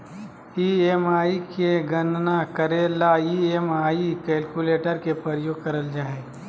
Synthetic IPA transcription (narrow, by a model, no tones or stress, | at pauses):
iemaːikeɡənnakəɾelaiemaːikɛːlkuleːʈəɾkepɾəɾjoːɡ̚kɐɾəld͡ʒaːe